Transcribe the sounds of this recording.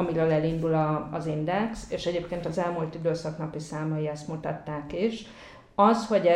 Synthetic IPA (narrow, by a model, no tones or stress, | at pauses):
ɒmiɾɛlɛlind̪ulɒːzind̪ɛkseːʃɛɟeːpkeːnt̪ɒzɛlmult̪id̪øːsɒknɒpisaːmɒjiɛst̪mut̪ɒt̪ːaːkiʃ | ɒsho̞ɟɛ